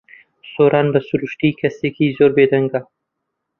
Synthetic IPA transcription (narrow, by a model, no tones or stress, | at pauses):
soːɾʔɑːnbɐsuɾuʃt̪ikʰɐsekizoɾbed̪ɐŋɡa